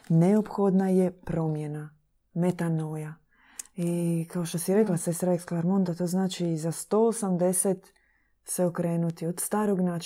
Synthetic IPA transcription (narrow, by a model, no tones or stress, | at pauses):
neopxo̞d̪naje̞pɾo̞mjena | me̞t̪anoːja | ikao̞ʃt̪osiɾe̞klase̞st̪ɾaeksklaɾmond̪at̪o̞ːznaːt͡ʃizast̪o̞ːosamd̪e̞set̪ | seokɾe̞ːnut̪iod̪st̪aːɾo̞ɡnaːt͡ʃ